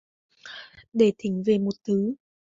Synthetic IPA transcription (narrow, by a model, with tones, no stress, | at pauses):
ɗe˧˩t̪ʰï˨˦ŋ̟ve˨˩mo˨˩t̚t̪ʰɨ˨˦